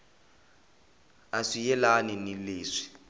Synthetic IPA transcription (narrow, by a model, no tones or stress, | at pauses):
aʂijɛlaninileːʂi̥